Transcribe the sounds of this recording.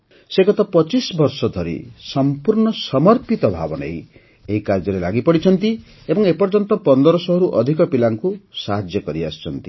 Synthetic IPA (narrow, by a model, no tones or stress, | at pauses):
seɡɔt̪ɔpɔt͡ʃisbɔɾsɔd̪ʱɔɾḭsɔmpuɾɳɔsɔmɔɾpit̪ɔbʱa̰bɔnḛĩ | eɦikaɾd͡ʒɔɾelaɡipɔɽit͡ʃʰɔnt̪i | ebɔŋepɔɾd͡ʒɔnt̪ɔpɔnd̪ɔɾɔsɔɦɔɾuʔɔd̪ʱikɔpilaŋkusaɦad͡ʒjɔkɔɾia̰st͡ʃʰɔnt̪i